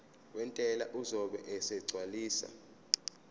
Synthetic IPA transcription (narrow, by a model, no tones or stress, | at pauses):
wɛntʼɛlaʔuzɔɓɛʔɛsɛɡ͡ǀʱwaliːsa̰